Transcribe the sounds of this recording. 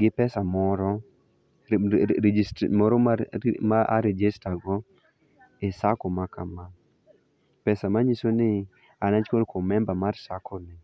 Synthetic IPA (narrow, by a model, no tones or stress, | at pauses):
ɡɪpɛsamɔɾɔ | smɔɾɔamaaɾɛd͡ʒestaɡɔ | ɛsakɔmakama | pɛsamaɲisonɪ | anat͡ʃkolkomɛmbamaɾsakʰɔnɪ